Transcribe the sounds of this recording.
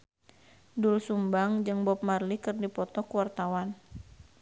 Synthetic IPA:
dulsumbaŋd͡ʒɨŋbɔp̚marlikɨrndipɔt̪ɔkəwart̪awan

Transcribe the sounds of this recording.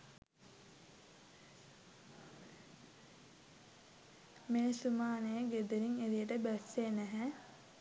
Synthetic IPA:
meːsumaːnejəɡed̪uɾiŋeɾijəʈəbæsːenæɦæ

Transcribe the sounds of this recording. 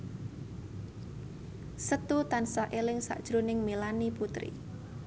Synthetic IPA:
sət̪ut̪ansaʔelɪŋsa̰ʔd̥ʒ̥ɾonɪŋmelaniput̪ɾḭ

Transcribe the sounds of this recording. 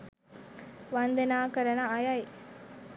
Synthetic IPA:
ʋɐnd̪ɐnaːkɐɾɐnɐɐjɐj

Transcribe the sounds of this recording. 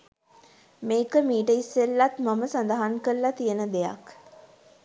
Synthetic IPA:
meːkəmiːʈəisːelːat̪maməsand̪əɦaŋkəlːat̪ijənəd̪eja̰k

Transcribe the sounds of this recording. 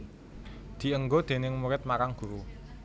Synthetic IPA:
d̪̥i̤əŋɡod̪̥e̤nɪŋmuɾɪt̪̚makaŋɡ̥ṳɾu

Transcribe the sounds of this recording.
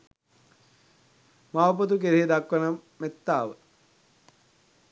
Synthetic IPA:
mawpɐt̪ukeɾeɦed̪akʋɐnɐmet̪ːaːʋə

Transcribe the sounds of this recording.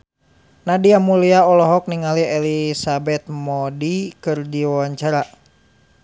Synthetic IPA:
nadiamuliaɔlɔɦɔk̚niŋaliɛlisabɛt̪̚mɔdikɨrdiwawaɲt͡ʃaɾa

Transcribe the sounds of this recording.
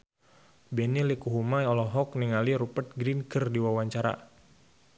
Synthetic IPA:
bɛnilikuɦumajɔlɔɦɔk̚niŋaliɾupət̪̚ɡɾinkərdiwawaɲt͡ʃaɾa̰

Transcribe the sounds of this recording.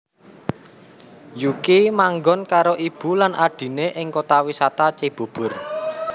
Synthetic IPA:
jukimaŋɡɔnkaɾoʔib̥ṳlanʔaɖ̥i̤neʔɪŋkot̪awisat̪at͡ʃib̥o̤b̥ʊ̤r

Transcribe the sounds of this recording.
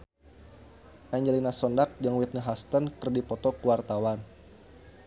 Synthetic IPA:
ʔaɲd͡ʒəlinasɔndak̚d͡ʒaŋwit̪̚nəɦast̪ənkərdipɔt̪ɔkuwart̪awan

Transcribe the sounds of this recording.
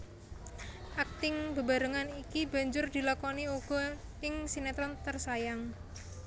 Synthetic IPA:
ʔak̚t̪ɪŋbə̤ba̤ɾəŋanikiba̤ɲd͡ʒʊrd̪̥i̤lakɔniuɡ̥ɔ̤ɪŋsinɛt̪ɾɔnt̪ərsajaŋ

